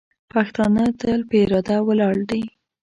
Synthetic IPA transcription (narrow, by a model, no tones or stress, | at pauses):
paxt̪ɑnət̪əlpəɪɾɑd̪awəlɑɽd̪i